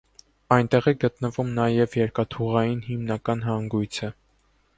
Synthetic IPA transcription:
ɑjnt̪ɛʁiɡət̪nəvumnɑjɛvjɛɾkɑt̪ʰuʁɑjinɦimnɑkɑnɦɑŋɡujt͡sʰə

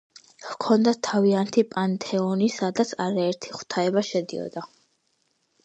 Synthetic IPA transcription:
hkʰɔnd̪at̪ʰːaviant̪ʰipʼant̪ʼʰɛɔnisad̪at̪sʰaɾaɛɾt̪ʰiχu̥t̪ʰaɛbaʃɛd̪iɔ̰d̪a

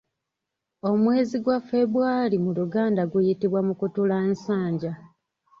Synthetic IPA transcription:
o̞mwe̞ːziɡwafe̞βuwaːlimuluɡaːndaɡwejitiβwamukutulaensaːɲɟa

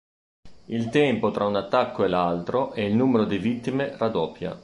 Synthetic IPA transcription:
ilt̪ɛmpot̪ɾʔaunat̪ːakʰːoelalt̪ɾoʔeilnuːmeɾod̪ivit̪ːimerad̪ɔpːja̰

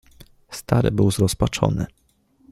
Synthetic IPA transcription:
st̪aɾɘ̰bɘwzɾɔspat͡ʂɔ̰nɘ̰

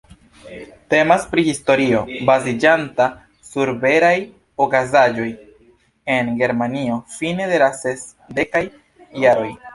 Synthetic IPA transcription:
te̞maspɾihisto̞ɾio̞bazid͡ʒanta | suɾbe̞ɾaj | okazad͡ʒo̞j | e̞nɡe̞ɾmanio̞fine̞de̞lases | de̞kajː | aɾo̞j

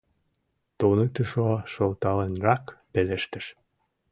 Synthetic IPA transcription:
t̪onət̪əʃoʃəlt̪ɑlenrɑkpeleʃt̪ə̆ʃ

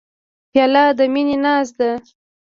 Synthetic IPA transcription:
pjɑlɑd̪əminenɑs̬d̪a

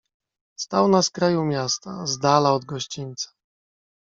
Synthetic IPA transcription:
st̪awnaskɾajumʲjast̪azd̪alaɔd̪ɡɔɕt͡ɕinʲt̪sḁ

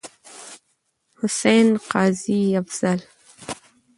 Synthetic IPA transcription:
hʊsejnqɑːziafz̥al

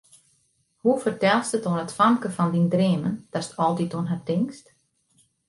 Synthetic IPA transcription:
hufərtɛlˠstətonətfamkəfɔndindreːmənd̥astɔlˠtitonɦatɪŋkst

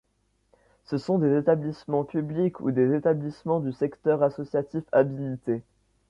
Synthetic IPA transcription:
səsɔ̃d̪ezet̪ablismɑ̃pyblikʰṵd̪ezet̪ablismɑ̃d̪ysɛkt̪œʁasɔsjat̪ifabilit̪e

